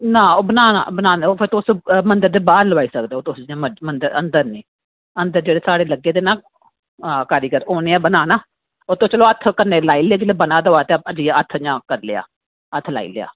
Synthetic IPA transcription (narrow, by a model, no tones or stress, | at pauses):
nãːoːbənaːna̰ːbənaːneoːpʰɪɾt̪ːsmənd̪əɾd̪eːbaːɾləʋaːiːsəkd̪eːoːt̪ʊsd͡ʒãːməmənd̪əɾə̰nd̪əɾnĩː | ənd̪əɾd͡ʒeːɽeːsaːɽeːləɡːeːd̪eːnãː | kəɾiːkəɾoːneːaːbənaːnaː | oːt̪õːt͡ʃəloːət̪ʰːkəɾneːlaːiːleːɡɪleːbənãːd̪oːaːt̪eːəd͡ʒiːət̪ʰːɲãːkəɾlḛa̰ː | ət̪ʰːla̰ːḭːlea̰ː